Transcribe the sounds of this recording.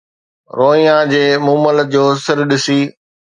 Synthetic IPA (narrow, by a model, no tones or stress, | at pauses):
ɾoːĩjãd͡ʑeːmũːmələd͡ʑoːsɪɾɗɪsiː